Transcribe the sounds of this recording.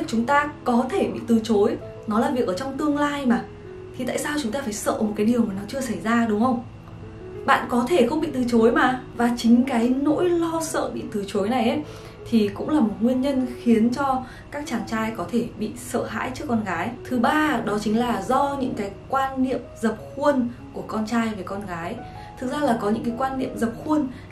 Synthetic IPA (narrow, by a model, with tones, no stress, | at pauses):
t͡ɕʊ˨˦ŋ͡mt̪aː˧kɔ˨˦t̪ʰe˧˩ɓḭ˧˨t̪ɨ˨˩t͡ɕo˨˦j | nɔ˨˦laː˨˩vi˨˩ək̚ʔəː˩t͡ɕɔ˧wŋ͡mt̪ɨ˧əŋlaː˧jmaː˨˩ | t̪ʰi˨t̪a̰ː˧˨jsaː˧wt͡ɕʊ˨˦ŋ͡mt̪aː˧faː˧˩jsə̰ː˧˨mo˨˩kaː˨˦jɗi˨˩əwmaː˨˩nɔ˨˦t͡ɕɨ˧əsa˧˩jzaː˧ɗʊ˨˦wŋ͡mhə˧wŋ͡m | ɓa̰ː˧˨nkɔ˨˦t̪ʰe˧˩xə˧wŋ͡mɓḭ˧˨t̪ɨ˨˩t͡ɕo˨˦jmaː˨˩vaː˨˩t͡ɕï˨˦ŋ̟kaː˨˦jno̰˧˥jlɔ˧sə̰ː˧˨ɓḭ˧˨t̪ɨ˨˩t͡ɕo˨˦jna˨˩jʔə˨˦j | t̪ʰi˨˩kʊ̰˧˥ŋ͡mlaː˨˩mo˨˩t̚ŋwi˧ənɲə˧nxi˨˦ənt͡ɕɔ˧ | kaː˦˥k̚t͡ɕaː˨˩ŋt͡ɕaː˧jkɔ˨˦t̪ʰe˧˩ɓḭ˧˨sə̰ː˧˨ɦa̰ː˧˥jt͡ɕɨ˦˥əkːɔ˧nɣaː˨˦jt̪ʰɨ˨˦ɓaː˧ɗɔ˨˦t͡ɕï˨˦ŋ̟laː˨˩zɔ˧ɲɨ̰˧˥ŋkaː˨˦jkwaː˧nːḭ˧˨əmzə˨˩p̚xu˧ənku˧˩əkɔ˧nt͡ɕaː˧jve˨˩jkɔ˧nɣaː˨˦j | t̪ʰɨ˨˩k̚zaː˧laː˨˩kɔ˨˦ɲɨ̰˧˥ŋkaː˨˦jkwaː˧nːḭ˧˨əmzə˨˩p̚xu˧ən